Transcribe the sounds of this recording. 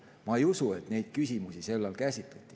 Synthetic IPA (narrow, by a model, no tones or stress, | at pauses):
mɑejusue̞t̪ne̞jd̪̥kysʲimusise̞lːɑlkæsʲit̪ːˑet̪ʲˑːi̥